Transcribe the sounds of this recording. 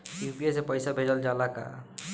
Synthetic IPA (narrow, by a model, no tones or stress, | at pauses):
jupiesepəjsabʱed͡ʒəld͡ʒalaka̰